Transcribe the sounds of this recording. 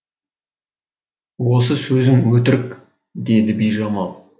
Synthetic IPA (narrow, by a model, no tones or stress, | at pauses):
wos̬əsɵzɪŋwɵt̪ɪɾɪk | d̪e̞d̪ɪbijʒɑmɑlˠ